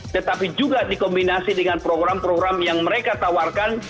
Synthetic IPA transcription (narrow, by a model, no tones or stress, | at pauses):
t̪ət̪apid͡ʒuɡadikɔmbinasidəŋanpɾoɡɾampɾoɡɾamjaŋməɾekat̪awarkan